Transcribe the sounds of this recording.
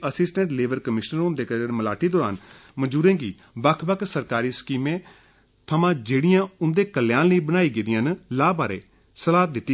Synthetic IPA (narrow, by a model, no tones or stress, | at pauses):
əsɪsʈə̃ɳʈleːʋəɾkəmɪʃnəɾʊ̃nd̪eːkəɾnməlaːʈʰiːd̪oːɾa̰ːnməd͡ʒuːɾẽːɡiː | ʋəkʰbəkʰsəɾkaːɾiːskiːmẽː | t̪ʰəmãːd͡ʒeːɽɪjãːʊnd̪eːkəlːjãːləiːbənaːiːɡeːd̪ɪjãːnlaːbaːɾḛː | səlaːd̪ɪt̪ːiː